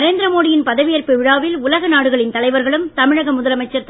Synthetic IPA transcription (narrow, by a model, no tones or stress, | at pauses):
ɾeːnd̪ɪɾɐmoːɽɪjɪnpɐðɐʋɪjɐrpɯʋɪɻaːʋɪlʊlɐɣɐnaːɽɯɣɐɭɪnt̪ɐlɐɪʋɐɾɣɐɭɯmt̪ɐmɪɻɐɣɐmʊðɐlɐmɐɪt͡ʃːɐɾt̪